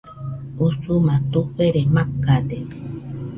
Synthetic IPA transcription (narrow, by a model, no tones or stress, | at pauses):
usumat̪uɸeɾemakad̪e